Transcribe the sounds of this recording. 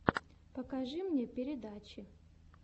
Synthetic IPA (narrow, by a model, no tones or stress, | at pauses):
pɐkaʐɨmɲʲepʲeɾʲɪd̪at͡ʃɪ